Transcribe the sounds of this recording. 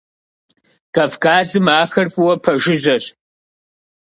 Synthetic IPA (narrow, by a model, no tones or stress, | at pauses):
kɐfkʰaːzɨmaːxɐrfɨwɐpʰɐʒɪʑɐɕ